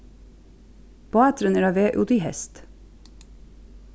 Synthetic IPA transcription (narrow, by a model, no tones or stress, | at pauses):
b̥ɑːɛt̪ɾəneːɾɑːʋeːʔud̪ihɛst̪